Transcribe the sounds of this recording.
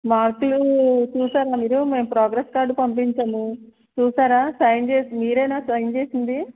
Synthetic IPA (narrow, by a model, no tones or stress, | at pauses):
maːɾklut͡ʃuːsaːɾaːmiːɾume̞ːmpɾaːɡɾeskaːɾɖupɐmp̬iɲt͡ʃɐnu | t͡ʃuːsaːɾaːsɐjnt͡ʃeːsimiːɾɐjnaːsɐjnt͡ʃe̞ːsind̪i